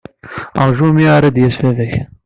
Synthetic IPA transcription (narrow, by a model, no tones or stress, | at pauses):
əʁʒumiaɾˤæd̪jæsfævæç